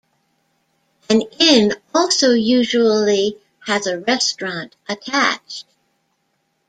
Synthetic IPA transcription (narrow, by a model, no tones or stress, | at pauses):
ɨ̃nɪ̃nɔlˠsoʊjʉʒul̩ˠi | ɨzɨɹɛstɹ̥ɑ̃ntʔɨtʰæt͡ʃt̚